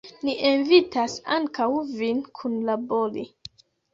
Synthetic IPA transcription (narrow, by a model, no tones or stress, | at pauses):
niʔenvitasaŋkawvinkʰunlaboli